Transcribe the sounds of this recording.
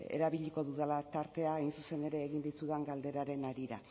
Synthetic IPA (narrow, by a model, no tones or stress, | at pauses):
ḛɾaβiʎiko̞ðuðalat̪aɾt̪e̞aajnsuse̞ne̞ɾe̞ːɣind̪it͡suðaŋɡald̪e̞ɾaɾe̞naɾiɾa̰